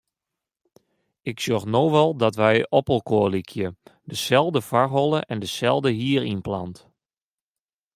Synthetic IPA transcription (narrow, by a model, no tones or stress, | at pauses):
ɪksjoxnoːʋɔlˠdɔtʋɛjɔpəlˠkoəlikʰjədəsɛlˠdəfarɦɔlˠəʔɛndəsɛlˠdəɦiərinpla̰nt